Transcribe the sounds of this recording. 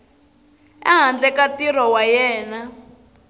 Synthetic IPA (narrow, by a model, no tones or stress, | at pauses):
ɛ̰ɦand͡ɮɛkatirɔwajɛːna